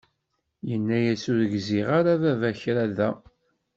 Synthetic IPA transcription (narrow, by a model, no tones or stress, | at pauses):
jənːæjæsʊɾəɡziʁaɾavævæçɾæðæ